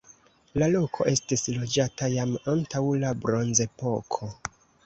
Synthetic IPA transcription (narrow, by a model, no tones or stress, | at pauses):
lalo̞kʰo̞̰ʔe̞stislo̞d͡ʒatajamantawlabɾo̞nze̞po̞kʰo̞